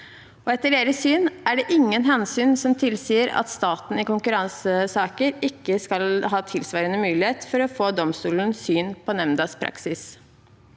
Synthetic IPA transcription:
ɔɛt̪ːəɖeːɾəsyːnæɖɛʔɪŋːənɦɛnsyːnsɔmt̪ʰɪlsiːəɾɑ̰t̪st̪ɑːt̪n̩ɪkʊŋkʉɾɑŋsəsɑːkəɾɪkːəskɑlɦɑːt̪ʰɪlsʋɑːɾənəmʉːlɪheːt̪fɔɾɔfoːd̪ɔmst̪uːlən̩syːnpʰɔnɛmnd̪ɑːspʰɾɑ̰ksɪs

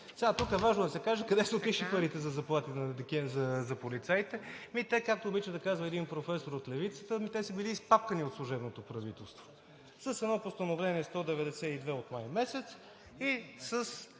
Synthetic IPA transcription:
sɛat̪ukɛvaʒnod̪ɐsɛkaʒɛkɐd̪ɛsɛot̪iʃipɐɾit̪ɛzɐzɐplˠat̪it̪d̪ɛkɛzɐzɐpolit̪sajt̪ɛmit̪ɛkakt̪oːbit͡ʃəd̪ɐkazvəɛd̪inpɾofɛsoɾot̪lɛvit̪sə̥t̪əmit̪ɛsəbiliːspap̚kəniot̪slˠuʒɛbnot̪opɾɐvit̪ɛlˠst̪vo̥ | səsɛd̪nɔpost̪ɐnovlɛniɛst̪ɔd̪ɛvɛd̪ɛsɛid̪vɛot̪majmɛsɛt̪s | isəs

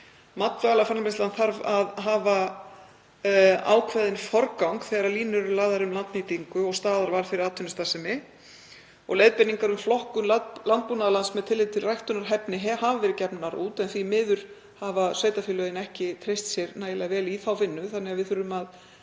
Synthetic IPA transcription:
mat̪vɛalafaɾnmɪst̪lanθaɾvaðɦaːva | a̰ːwkʰvɛðɪnfɔɾkawŋkθɛːɣaɾaɾliːnʏɾʏlaːðaɾʏmlant̪niːt̪iŋkʏɔɣst̪aːðaɾvaɾ̥fɪɾɪɾaːt̪ʰʏnʏst̪asɪmɪ | ɔɣlejðpɛnːiŋkaɾʏmflɔhkʏmlalant̪̚puːnaðlansmɛðt̪ʰɪlɪt̪ʰɪlrajht̪ʏnaɾ̥ɦɛpnɪɦɛhavavɛːɾɪcɛpnaɾuːt̪ɛnθvimɪːðʏɾ̥ | havasveːjt̪afʏlœðɪnɛhcɪt̪ʰɾejst̪sjɛɾnaːjɪlɛɣavɛːliθawvɪnːʏθanːɛɣavɪðθʏɾʏmað

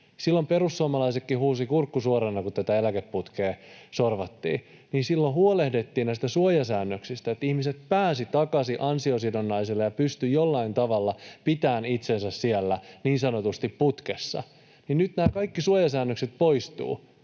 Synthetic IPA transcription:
silːomperusːuomɑlɑisekːihuːsikurkːusuoɾenːɑkut̪æt̪æelækepput̪keːsorʋɑt̪ːḭː | niːnsilːohuolehdet̪ːiːnnæist̪æsuojɑsæːnːøksist̪æet̪ihmiset̪̚pæːsit̪ɑkɑsiʔɑnsiosidonːɑiselːejɑpyst̪yjolːɑint̪ɑʋɑlːɑpit̪æːnit̪sensæssielːæniːnsɑnot̪ust̪ipput̪kesːɑ̰ | ninnyt̪næːkɑikːisuojɑsæːnːøkset̪̚poist̪ṵː

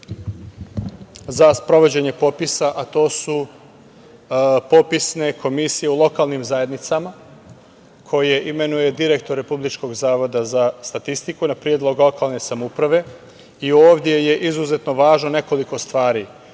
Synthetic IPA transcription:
zaspɾo̞ʋo̞d͡ʑe̞ɲe̞po̞pisaʔat̪o̞ːsu | po̞pisne̞kʰo̞misije̞ulˠo̞kalˠnimzaje̞d̪nit̪sama | kʰo̞je̞ʔime̞nuje̞d̪iɾe̞kt̪oɾːe̞publit͡ʃko̞ɡzaːʋo̞d̪azast̪at̪ist̪ikunapɾjed̪lˠo̞ɡlˠo̞kalˠne̞samoupɾaʋe̞ | io̞ːʋd̪je̞je̞ʔizuzet̪no̞ʋaːʒnone̞ko̞liko̞st̪ʋaːɾi

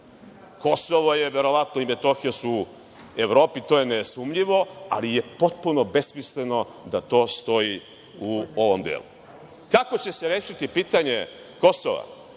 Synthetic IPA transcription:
ko̞soʋoje̞ʋe̞ɾo̞ʋat̪noime̞t̪o̞xijasu | eʋɾoːpit̪o̞jenesumʎiʋo̞a̰lije̞po̞t̪̚puno̞be̞smisleno̞d̪at̪o̞ːst̪o̞ji | uoʋomd̪ḛːlṵ | kako̞t͡ɕe̞se̞ɾeːʃit̪ipiːt̪aɲe̞ | ko̞so̰ʋa̰

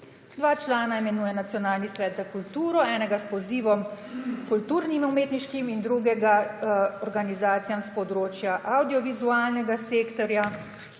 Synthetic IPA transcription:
d̪ʋaːt͡ʃlaːnaimɛnuːjɛnat̪sjɔnaːlnisʋɛːt̪zakult̪uːɾɔɛːnɛɡaspɔziːʋɔm | kult̪uɾnimumeːt̪niʃkimind̪ɾuɡɛɡaɔɾɡanizaːt̪sijamspɔd̪ɾoːt͡ʃjaʔawd̪iɔʋizuaːlnɛɡaseːkt̪ɔɾja

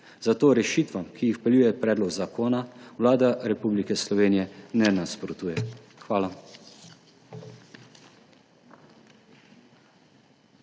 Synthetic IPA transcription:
zat̪oːɾɛʃiːt̪ʋamkijixpɛljuːjɛpɾɛːd̪lɔɡzakʰoːnawlaːd̪aɾɛpublikɛslɔʋeːnijɛnɛnaspɾɔt̪uːjɛ | xʋaːla

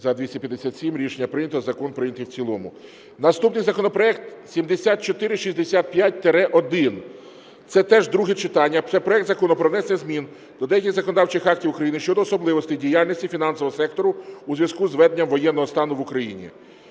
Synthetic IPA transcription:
zɐd̪ʋʲisʲtʲɐpʲjɐd̪esʲat̪ʲsʲimɾʲiʃenʲːɐpɾɪnʲɐt̪ɔzɐkɔnpɾɪnʲɐt̪ɪwt͡sʲilˠɔmʊ̰ | nɐst̪upnɪjzɐkɔnɔpɾɔɛkt̪sʲimd̪esʲat̪̚t͡ʃɔt̪ɪɾɪʃisʲd̪esʲat̪̚pjat̚ʲt̪eɾɛʔɔd̪ɪn | t̪sɛt̪ɛʒd̪ɾuɦɪt͡ʃɪt̪ɑnʲːɐt̪sɛpɾɔɛkt̪zɐkɔnɔpɾɔʋnɛsʲnʲɛzmʲin | d̪̥ɔd̪ɛjɐkʲiɣzɐkɔnɔd̪ɑwt͡ʃɪxɑktʲiwukɾɐjinɪʃt͡ʃɔd̪ɔːsɔblˠɪʋɔst̪ɪjdʲijalʲnʲisʲtʲifʲinɑnsɔʋɔɦɔsɛk̚t̪ɔɾʊuzʋʲjɐskuzʋɛd̪nʲɐmʋɔjɛnːɔɦɔst̪ɑnʊʋʊkɾɐjḭnʲḭ

